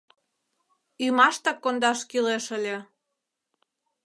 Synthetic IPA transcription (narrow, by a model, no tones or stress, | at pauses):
ymɑʃt̪ɑkːond̪ɑʃkileʃəlʲe